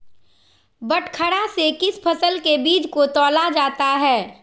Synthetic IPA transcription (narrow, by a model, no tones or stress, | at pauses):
bɐʈʰkʰəɽasekɪspʰɐsəlkebiːd͡ʒkot̪ɔːlad͡ʒaːt̪aɦɛː